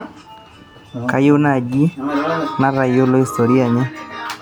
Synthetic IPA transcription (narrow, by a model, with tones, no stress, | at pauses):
ka˦jʊ˦na˦˨d͡ʒi˦na˦ɾa˨jo˦lo˦i˨st̪o˨ɾi˦a˨ɲɪ˦